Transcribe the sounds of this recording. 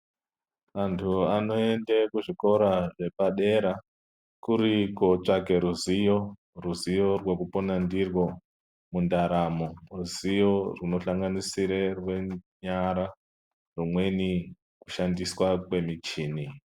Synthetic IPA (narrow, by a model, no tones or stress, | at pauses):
ʋantʰuano̞e̞ndekuʐiko̞ɾaʐe̞paɗe̞ɾa | kuɾiko̞t͡ʂake̞ɾuzijo̞ | ruzijo̞rwe̞kuponandirwo̞ | mundaɾamo̞ruzijo̞runo̞ɬaŋɡanisiɾerwe̞ɲaɾa | rumwe̞ni | ku̥ʃandiswakwe̞mit͡ʃiːni